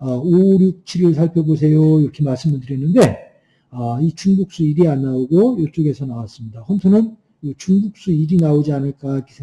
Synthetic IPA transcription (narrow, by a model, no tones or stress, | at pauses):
ʌoɾjuk̚t͡ɕʰiɾiɭsʰaɭpʰjʌbos̬ʰe̞joiɾʌkʰemaɭs͈ɯmbundɯɾiɦenːɯnde̞ | ʌit͡ɕuŋbuk̚s͈uiɾianːaoɡojʌɭt͡ɕ͈oɡe̞sʰʌnawas͈ɯmɲidahʌntʰunɯn | it͡ɕuŋbuk̚s͈uiɾinaod͡ʑianɯɭk͈aik͈esʰeŋ